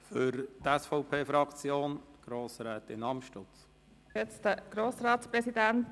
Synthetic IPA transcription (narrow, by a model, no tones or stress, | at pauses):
fʏɾt̪ɛsfɔʊpʰeːfɾɑkt͡sjoːnɡ̥ɾoːsɾɛːtɪnɑmʃtʊt͡s | ɛt͡stəɡ̥ɾoːsɾɑːtspɾɛsidænt